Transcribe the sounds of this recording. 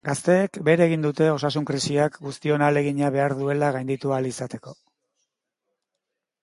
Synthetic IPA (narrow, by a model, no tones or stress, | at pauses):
ɡast̪e̞ːkbe̞ɾeɣ̞ind̪ut̪e̞o̞sasuŋkɾisiakɡust̪io̞nale̞ɣiɲaβe̞aɾðue̞laɣajnd̪it̪ualisat̪e̞ko̞